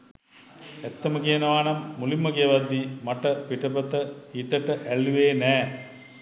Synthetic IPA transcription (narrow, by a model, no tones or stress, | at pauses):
ɛt̪ːɐmɐɡejɐnɐʋaːnɐmːulimːɐɡejɐʋad̪ːimɐʈəpiʈɐpɐt̪əit̪əʈəʔælːuʋeːnɛː